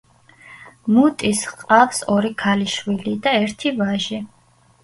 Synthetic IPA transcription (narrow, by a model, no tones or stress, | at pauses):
mut̪ʼisqʼafsɔɾikʰaliʃwilid̪aɛɾt̪ʰivaʒi